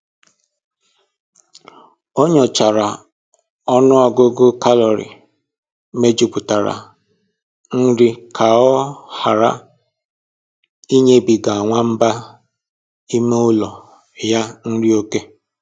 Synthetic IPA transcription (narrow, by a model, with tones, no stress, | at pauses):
o˦ɲɔ˨t͡ʃa˨ɾa˨ | ɔ˦nʊ˦ɔ˦ɡʊ˦ɡʊ˦ka˦lɔ˨ɾḭ˨ | me˦d͡ʒi˦pʊ˨ta˨ɾa̰˨ | n̩˦ɾi˦kʰa˨ɔ˦ha˨ɾa˦ | i˦ɲe˦bi˨ɡa˨a˨ŋʷa˦m̩˦ba˦ | i˦me˦ʊ˦lɔ˨ | ja˦n̩˦ɾi˦o˦ke˦